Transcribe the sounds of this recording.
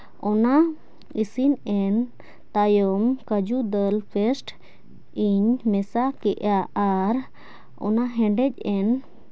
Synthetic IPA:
ɔna | isinɛn | t̪ajɔmkəd͡ʒud̪əlpʰɛsʈ | iɲmɛsakɛʔjaaɾ | ɔ̰naɦɛ̃ɳɖɛc̚ɛn

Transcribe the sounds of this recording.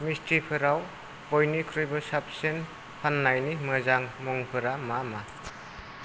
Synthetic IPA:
mistɾipʰɯɾaw | bɔjnikʰɾɔjbɔsap̚sen | pʰanːajnimɯzaŋmɔŋpʰɯɾamama

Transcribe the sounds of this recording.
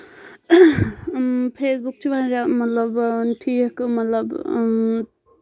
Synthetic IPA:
pʰesbuk̚t͡ʃʰibanɾamət̪ləbʈʰikmət̪ləb

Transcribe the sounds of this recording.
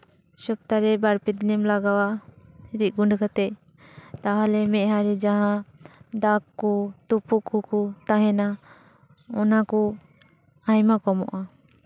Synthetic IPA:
sɔb̚t̪aɾɛbaɾpid̪nɛmlaɡawaiɾiɡuɳɖkat̪ɛ | t̪aɦalɛmɛʔɦaɾid͡ʒaɦãd̪akːɔt̪upukukut̪aɦɛna | ɔnaku | ajmakɔmɔ̰ʔa

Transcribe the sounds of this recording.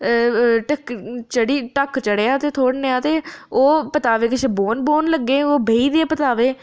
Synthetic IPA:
ʈəkt͡ʃəɽiːʈəkt͡ʃəɽeːaːt̪eːt̪ʰoːɽneːaːt̪eːoːpət̪aːʋeːkɪt͡ʃʰeːboːnboːnləɡːeːoːbʱeːiːd̪eːpət̪aːʋeː

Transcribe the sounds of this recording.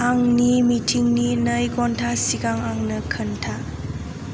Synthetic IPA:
aŋnimitʰiŋninəjɡɔntʰasiɡaŋaŋnəkʰəntʰa

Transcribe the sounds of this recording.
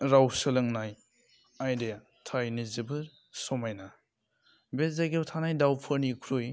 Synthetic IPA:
ɾawsɯlɯŋnaj | ajdea | tʰajnizibɯɾ | sɔmajna | bezajɡewtʰanajdawpʰɯɾnikʰɾoj

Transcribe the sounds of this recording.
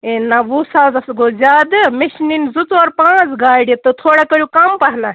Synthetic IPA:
eːnaʋusaːzɐsɡoːzʲaːd̪ɨmeʃninzut͡sɔːɾpãːt͡sɡaːɽiɐt̪ɨt̪ʰoːɽakɐɾjukɐmpɐɦna

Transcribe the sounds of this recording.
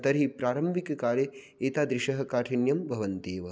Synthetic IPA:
t̪ɐɾipɾaːɾɐmbʱikɐkaːle | eːt̪aːd̪ɾiʃɐɦɐkaːʈʰinjɐmbʱɐʋɐnt̪eːʋɐ

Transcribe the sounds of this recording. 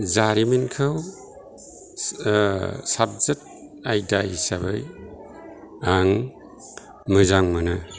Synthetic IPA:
zaɾimenkʰɯw | sab̚zɯt̚ | ajdajisaβɯj | aŋ | mɯzaŋmɯnɯ

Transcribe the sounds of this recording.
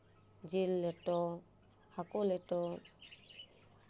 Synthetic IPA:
d͡ʒilːɛtɔ | hakulɛtɔ

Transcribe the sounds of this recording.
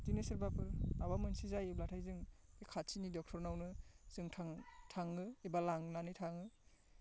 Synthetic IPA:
dinesɯɾbapʰɯɾawamɯnsizajeblatʰajzɯŋekʰat͡ʃʰinidɔk̚tʰɔɾnawnɯz̥ɯŋtʰaŋtʰaŋɯebalaŋnanitʰaŋɯ

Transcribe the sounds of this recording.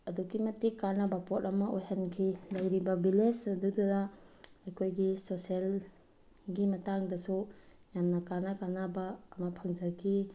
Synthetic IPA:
ɐduɡimɐtːikanabapotɐmɐʔojhankʰilɐjɾibɐbilesɐduduɾaɐjkʰojɡisosel | ɡimɐtaŋdɐsu | jamnakanakanabaːmɐpʰɐŋzaɾkʰi

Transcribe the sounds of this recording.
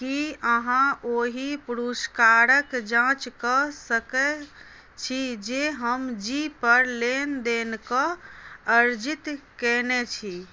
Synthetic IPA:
kiəɦãʔoɦipuɾuskaɾəkd͡ʒãt͡ʃkəsəkɛ | t͡ʃʰid͡ʒeɦəmd͡ʒipəɾlend̪enkɔ̃əɾd͡ʒit̪kɛnet͡ʃʰi

